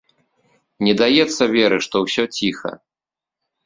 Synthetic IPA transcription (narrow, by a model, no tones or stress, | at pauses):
nʲɛd̪ajɛt̪sːɐvʲɛɾɨʂt̪ɔwsʲɔt͡sʲixɐ̰